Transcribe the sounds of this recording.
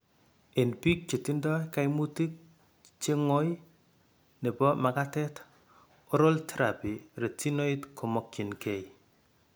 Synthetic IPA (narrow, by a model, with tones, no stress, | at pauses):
e˨npi˦k̚t͡ʃe˨ti˦ndɔ˦jka˦jmu˦ti˦k̚ | t͡ʃe˦ŋɔ˦j | ne˨bɔ˦ma˨katɛ˦t | o˦ɾo˦ltʰe˦ɾapi˨ɾe˨ti˦no˦i˦tkʰo˨mɔ˦kji˨nke˨j